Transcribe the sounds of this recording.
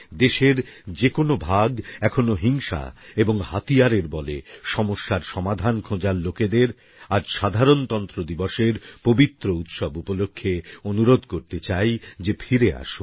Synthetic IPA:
d̪eʃeɾd͡ʑekonobʱaɡɛkʰonoɦiŋʃa̰eboŋhat̪ijaɾeɾbɔleʃɔmoʃːaɾʃɔmad̪ʱankʰõd͡ʑaɾloked̪eɾ | aɾʃad̪ʱaɾont̪ɔnt̪ɾod̪ibɔʃeɾpobit̪ːɾout̪ʃɔbupolokʰːeonuɾod̪ʱkoɾt̪et͡ɕajd͡ʑefʰiɾea̰ʃun

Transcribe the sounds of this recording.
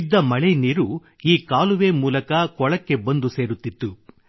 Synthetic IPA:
d̪ːɐmɐɭeniːɾu | iːkaːluʋeːmuːlɐkɐkɔɭɐkːe̞bond̪useːɾut̪ːit̪ːu

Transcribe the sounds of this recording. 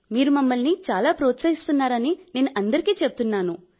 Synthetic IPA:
miːɾumɐmːɐlnit͡ʃaːlaːpɾoːt̪sɐɦist̪unːaːɾɐnine̞ːnuʔɐnd̪ɐɾikiːt͡ʃe̞put̪unːaːnu

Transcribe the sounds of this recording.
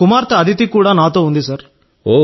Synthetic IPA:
kumaːɾt̪ɐɐd̪ʱit̪ikuːɽanaːt̪oːund̪isɐɾ | oː

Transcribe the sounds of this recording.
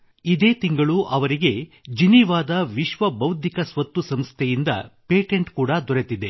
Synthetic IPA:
id̪e̞ːt̪iŋɡɐɭuʔɐʋɐɾiɡe̞d͡ʒiniʋaːd̪ɐʋiʃʋɐbɐwd̪ʱikɐsʋɐt̪ːusɐmst̪ʰejind̪ɐ̰pe̞ːʈeɳʈkuːɽɐd̪ɔɾet̪id̪e̞

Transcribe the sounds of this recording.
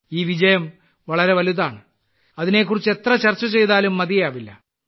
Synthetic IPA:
iːʋid͡ʑɐjɐm | ʋɐɭɐɾe̞ʋɐluðaːɳɨ | ɐðine̞k̬ːurit͡ɕːe̞t̪rɐt͡ɕɐrt͡ɕːɐt͡ɕe̞jðaːlumːɐðijjaːʋilːɐ̰

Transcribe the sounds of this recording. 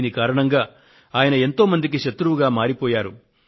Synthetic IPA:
nikaːɾɐɳɐŋɡaː | aːjɐnɐe̞nt̪o̞ːmɐnd̪ik̬iʃɐt̪ɾuʋuɡaːmaːɾipɔːjaːɾu

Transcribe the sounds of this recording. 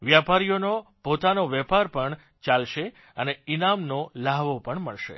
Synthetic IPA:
ʋjapaɾijonopot̪anoʋɛpaɾpəɳ | t͡ʃalʃe | əneinamnolaʋopəɳməɭʃḛ

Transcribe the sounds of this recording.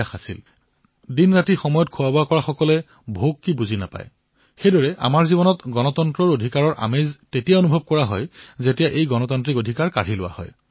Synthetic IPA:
axasḭl | dinɹatixɔmɔjɔt̚kʰʊwaboakɔɹaxɔkɔlɛ | bʱokːibuzinapa̰j | xejdɔɹɛʔa̰maɹzibɔnɔtɡɔnɔtɔntɹɔɹodʱikaɹɔɹʔa̰meztetijaonubʱɔb̚kɔɹaɦɔjzetijaʔejɡɔnɔtɔntɹikodʱikaɹkaɹilʊ̰wa̰hɔ̰j

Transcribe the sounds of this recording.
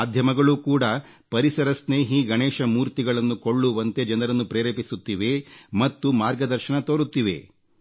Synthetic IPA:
d̪ʱjɐmɐɡɐɭukuːɽɐ | pɐɾisɐɾɐsneːɦiɡɐɳeːʃɐmuːɾt̪iɡɐɭɐnːuko̞ɭːuʋɐnt̪ed͡ʒɐnɐɾɐnːupɾeːɾeːpisut̪ːiʋe̞mɐt̪ːumaːɾɡɐd̪ɐɾʃɐɳɐt̪oːɾut̪ːiʋe̞̰

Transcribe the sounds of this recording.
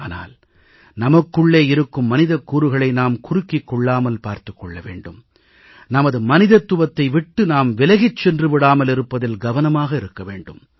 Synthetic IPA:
aːna̰ːl | nɐmɐkːɯɭːeːɪɾɯkːɯmːɐnɪðɐkːuːɾɯɣɐɭɐɪnaːmkʊɾɯkːɪkːɔɭːaːmɐlpaːɾt̪ɯ̥kːɔɭːɐʋḛːɳɖɯm | nɐmɐðɯmɐnɪðɐt̪ːʊʋɐt̪ːɐɪʋɪʈːɯnaːmʋɪlɐɣɪt͡ʃːɛndrɯʋɪɽaːmɐlɪɾɯpːɐðɪlɡɐʋɐnɐmaːɣɐɪɾɯkːɐʋḛːɳɖɯm

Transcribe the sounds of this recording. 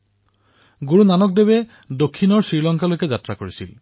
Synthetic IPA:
ɡuɹunanɔk̚debɛ | dokʰːinɔɹsɹiɹlɔŋkalojkɛzatɹakoɹisḭl

